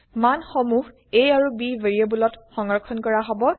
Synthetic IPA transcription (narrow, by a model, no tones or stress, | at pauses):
manxɔmux | ejaɹubiveɹiobulɔtxɔŋɔɹkʰɔnkɔɹaɦɔbɔ